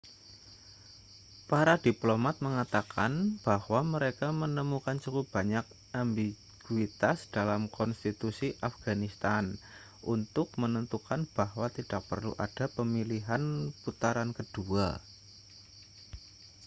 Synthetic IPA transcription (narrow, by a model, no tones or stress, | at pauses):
paɾadiplomat̪̚məŋat̪aka̰nb̥ahwaməɾekamənəmukant͡ʃukʊp̚b̥a̤ɲak̚ | ambi | ɡ̥uit̪asd̥alamkɔnst̪it̪usiʔafɡ̥anist̪an | ʔṵnt̪ʊk̚mənənt̪ukanb̥ahwat̪id̥ak̚pə̰rlṵʔad̥a̤pəmiliɦanput̪aɾankəd̥ua